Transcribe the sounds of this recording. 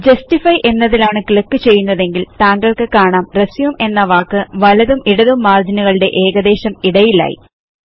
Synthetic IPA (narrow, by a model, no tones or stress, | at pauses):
d͡ʑɐstifɐjʔe̞nːɐðilaːɳɨkiɭɐkːɨt͡ɕe̞jːunːɐðe̞ŋɡilt̪aːŋɡɐɭkɨkaːɳaːmresiʋume̞nːɐʋaːkːɨʋɐlɐðumiɽɐðumːaːrd͡ʑinuɣɐɭɨɽe̞ʔe̞ːɣɐd̪e̞ːɕɐmiɽɐjila̰ːjḭ